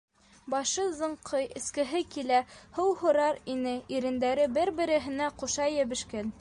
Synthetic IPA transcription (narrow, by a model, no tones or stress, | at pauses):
bɑʃɤzɤ̆ɴqʰɤjɘ̆skɘ̆ɦɘkilæhɤwhŏɾɑɾinɘiɾɘ̆nd̪æɾɘbɘɾbɘ̆ɾɘ̆ɦɘ̆næquʃɑjɘ̆βɘ̆ʃkæn